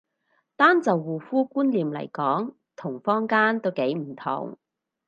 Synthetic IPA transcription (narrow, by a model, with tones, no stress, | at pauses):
t̪aː˥nt͡sɐ˨wːuː˨fuː˥kuː˥nliː˨mlɐ̰˨˩jkɔː˨˥ŋ | t̪ʰʊ˨˩ŋfɔː˥ŋkaː˥nt̪o˥wke˨˥jm̩˨˩t̪ʰʊ̰˨˩ŋ